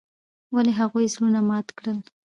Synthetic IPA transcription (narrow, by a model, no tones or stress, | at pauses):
waleɦaɣujzlunamɑt̪kɽəl